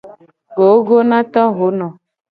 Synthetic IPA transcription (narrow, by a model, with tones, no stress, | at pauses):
ɡo˨˦ɡo˦nã˦t̪ɔ̃˦ɦo˨˦nɔ̃˨